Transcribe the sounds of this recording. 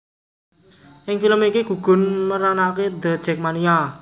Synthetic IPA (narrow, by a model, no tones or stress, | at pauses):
ʔɪŋfiləmikiɡ̥ṳɡ̥ʊ̤nməɾanaked̪ə̤d̥ʒ̥ɛ̤k̚mania